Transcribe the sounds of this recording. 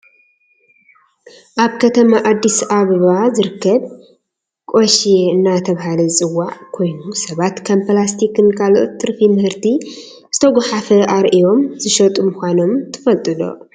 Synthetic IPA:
ʔaβkʰɐt̪ʰɐmaʔad̪ːisaβɐβazɨɾɨkːɐβ | kʼoʃieɨnːat̪ʰɐβɦalɐt͡sʼɨwːaʕkʰo̞jnusɐβat̪kʰɐmplast̪ʰikɨnkʰaloʔot̪ːɨɾfimɨhɨɾt̪ʰi | zɨt̪ʰɐɡʷaħafɐaɾʔijo̞mzɨʃɐt̪ʼumɨxʷano̞mt̪ʰɨ̥fɐlt̪ʼɨd̪o̞̰

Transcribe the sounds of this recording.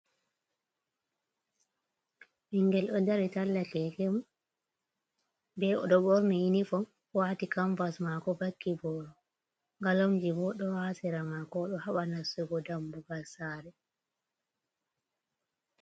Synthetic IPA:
miŋɡɛlɗɔdaɾitalːakɛkɛmu | bɛʔɔ̰ɗɔbɔɾmiinifɔ | waːtikamfasmakɔbakːibɔɾɔ | ŋɡalomd͡ʒibɔɗɔhasɛɾamakɔɗɔhaɓanasuɡɔdambuɡalsaːɾɛ

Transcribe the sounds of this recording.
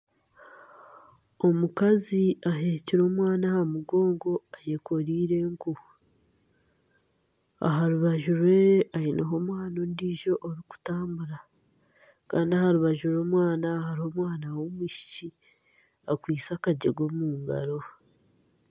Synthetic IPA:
omukaziaɦeːciɾo̞ːmwaːnahaɾimuɡo̞ːŋɡo̞ajeko̞ɾiːɾe̞ŋku | a̰ɦaɾuβaʒuɾwe̞aineɦo̞ːmwaːnondiːʒo̞ʔːɾiku̥taːmbuɾa | kaːndiahaɾuβaʒuɾo̞ːmwaːnahaɾiho̞ːmwaːnawomwiʃi̥ci | akwiːt͡sakaɟeɡo̞muːŋɡa̰ɾo̞

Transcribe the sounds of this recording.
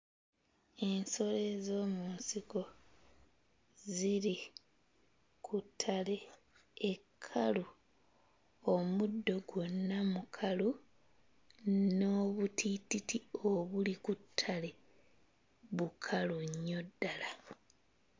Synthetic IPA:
e̞nso̞le̞zo̞ːmunsiko̞ | ziɾi | kutʰːale̞ | ekʰːalu | omudːo̞ɡwo̞nːamukʰalu | no̞ːβutʰititio̞βulikutʰːale̞ | βukʰaluɲːo̞dːala

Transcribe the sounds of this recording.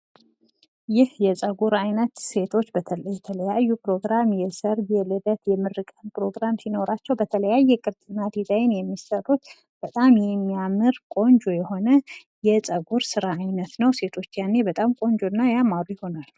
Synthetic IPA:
jɪhjɛsʼəɡuɾajnət̪se̞t̪ʰo̞t͡ʃːbət̪ʰələjɛt̪ʰələjajːupɾo̞ɡɾamjɛsəɾjɛlɨd̪ət̪jɛmɨɾɨkʼənpʰɾo̞ɡɾamsino̞ɾat͡ʃːɛwbət̪ʰələjajːɛkʼɨɾt̪ʼɨnad̪izajɪnjɛmːisəɾːut̪ | b̥ət̪ʼamjɛmːijamɨɾkʼo̞nd͡ʒojɛho̞nə | jɛsʼəɡuɾsɨɾaːjnət̪nəwse̞t̪ʰo̞t͡ʃːjanːebət̪ʼamkʼo̞nd͡ʒonːajamaɾujɪho̞nal

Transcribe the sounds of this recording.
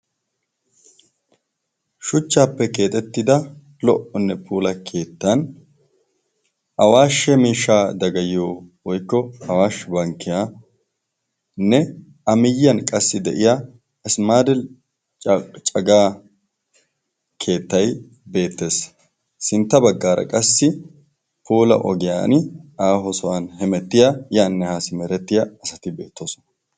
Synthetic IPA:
ʃʊt͡ʃːaːpːɛke̞ːt̪ʼɛt̪ːɪd̪ɐ | lɔʔɔnːɛpʰuːlɐkʰe̞ːt̪ːɐn | ʔɐwaːʃɛmiːʃːaːd̪ɐɡɐjoːwɔjkːɔɐwaːʃbɐŋkːɪjaː | nːɛ | ɐmɪjːɐnkʼɐsːɪd̪ɛʔɪja | ɪsmaːd̪ɪl | t͡ʃt͡ʃʼɐɡaː | kʰe̞ːt̪ːɐj | be̞ːt̪ːe̞ːsː | ɪnt̪ːɐbɐɡːaːɾɐ̰kʼɐsːɪ | pʰuːlɐ̰ʔɔ̰ɡɪja̰ːnaːɦɔsɔwanhɛmɛt̪ːɪjajaːnːɛhaːsɪmɛɾɛt̪ːɪjaɐsɐt̪ɪbe̞̰ːt̪ːoːsɔ̥nɐ

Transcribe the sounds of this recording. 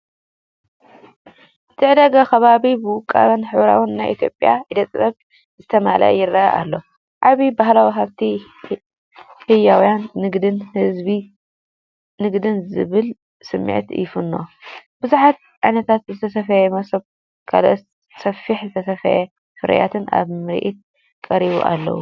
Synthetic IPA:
ɨt̪ʰɨiʕd̪ɐɡakɐβaβibɨwʊkʼːa̰βɐnħɨwɾa̰wɨnːajʔḭt̪ʰjopʼːja̰ʕd̪ɐt͡s̪ʼβɐk | zɨt̪ʰɐma̰la̰ʔjɪrːaʔʔa̰lːo | ʕaβibahlawiɦaβt̪ʰi | hɨjːawjanːɨɡd̪ɨnhɨzbi | nɨɡd̪ɨnzɨ̰βɨl | sɨmːḭʕt̪jɪfɨnːo̞̰b̥ɨzuħat̪̚ | ʕajnɐt̪ʰat̪zɨt̪ʰɐsɐfɐjɛmɐsɐβ | kʰa̰lʔo | sɐfiħzɨt̪ʰɐsɐfɐjɛ | fɨɾɐ̰ja̰t̪ʰɨna̰βmɨɾ̰ʔit̪̚ | kʼɐɾiβṵʔa̰lːɐ̰wu

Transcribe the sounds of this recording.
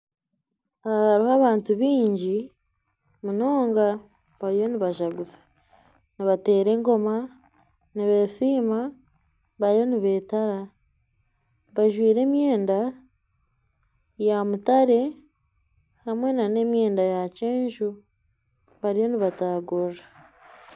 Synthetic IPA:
aahaɾihaβaːntuβiːɲɟi | muno̞ːŋɡa | βaɾijo̞niβaʒaɡuzḁ | niβate̞ːɾe̞ŋɡo̞ma | niβe̞siːma | βaɾijo̞niβe̞taɾa | βaʒwiːɾe̞ːmje̞ːnda | jamutaɾe̞ | hamwe̞nane̞mje̞ːndajaceːɲʒu | βaɾijo̞niβataːɡora

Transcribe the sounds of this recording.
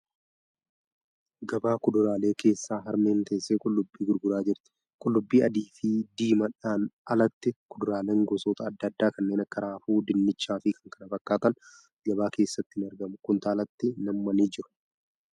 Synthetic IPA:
ɡɐbaːkʊd̪ʊɾaːle̞ːke̞ːsːaːɦɐɾme̞ːnt̪ɐɪsːeːkʼʊlːʊbːiːɡʊɾɡʊɾaːd͡ʒɪɾt̪ɪ̥ | kʼʊlːʊbːiːɐd̪iːfid̪iːmɐᶑaːnɐlɐt̪ːɪkʊd̪ʊɾaːleːŋɡɔsoːt̪ɐːd̪ːɐd̪ːaːkɐnːe̞ːnɐkːɐɾaːfuːd̪ɪnːɪt͡ʃːaːfɪkʰɐŋkɐnɐfɐkːaːt̪ɐn | ɡɐbaːke̞ːsːɐt̪ːɪɪnɐɾɡɐmʊkʊnt̪aːlɐt̪ːɪnɐmːɐniːd͡ʒɪɾʊ̥

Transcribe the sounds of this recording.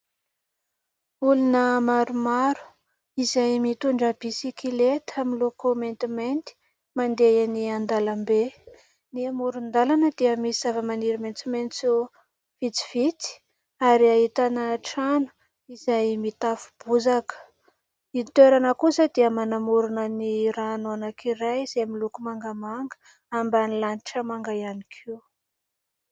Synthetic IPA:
ulunəmaɾumaɾu̥ | izajmit̪uɳɖ͡ʐəbisikilet̪ʰamilokoment̪iment̪i̥ | mand̪ejaniand̪alambe | niamuɾund̪alanəd̪̥iəmisizavəmaniɾiment͡siment͡su | v̥it͡si̥v̥it͡si̥ | aɾiaɦit̪anaʈ͡ʂanu̥ | izajmit̪afu̥b̥uzakə̥ | it̪eɾanəkusəd̪iəmanamuɾunəniɾanoanakʰiɾajz̥emilukumaŋɡamaŋɡə̥ | ambanilaniʈ͡ʂəmaŋɡajanikʰiu

